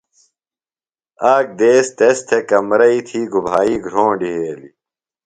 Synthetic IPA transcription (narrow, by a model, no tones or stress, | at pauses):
aːk̚d̪eːst̪est̪ʰekɐmɾɐit̪ʰiːɡubʱaːiːɡʱɾõːɳɖiɦeːlḭ